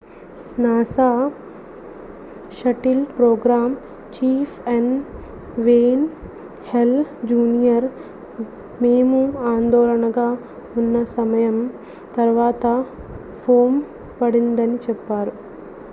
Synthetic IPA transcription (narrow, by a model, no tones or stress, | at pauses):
naːsaː | ʃɐʈilpɾoːɡɾaːm | t͡ʃiːpʰeɳ | ʋeːn | held͡ʒuːnijɐɾ | meːmuaːnd̪ɔːlɐɳɐɡaː | unːɐsɐmɐjɐm | t̪ɐɾʋaːt̪ɐ | pʰoːm | pɐɽind̪ɐnit͡ʃɛpːaːɾu